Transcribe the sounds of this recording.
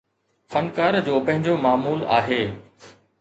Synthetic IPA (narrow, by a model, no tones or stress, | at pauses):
fɐnkaːɾd͡ʑoːpɐ̃ɦɪ̃ɲd͡ʑomaːmuːla̰ːɦeː